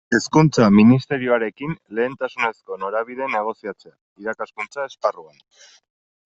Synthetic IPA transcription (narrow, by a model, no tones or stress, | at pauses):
e̞skunt͡saminist̪e̞ɾioaɾe̞kinle̞ːnt̪asune̞sko̞no̞ɾaβ̞iðe̞ne̞ɣ̞o̞siat͡se̞a | iɾakaskunt͡sae̞sparuan